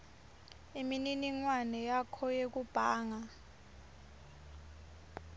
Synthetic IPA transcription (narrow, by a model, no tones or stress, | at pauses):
imininiŋwanɛjakʰɔjek̬ub̥ʱaːŋa